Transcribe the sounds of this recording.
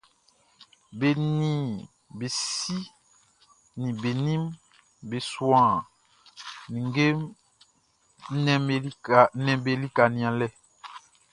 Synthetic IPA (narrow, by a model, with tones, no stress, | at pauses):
be˨nĩ˨ | be˨ssi˦ | nĩ˨be˨nĩ˦m | be˨swã˦˨ | nĩ˨ŋ˦ɡe˦m | nɛ˨˦˨nɛ̃˨be˨li˦ka˨nĩ˨ã˨lɛ˦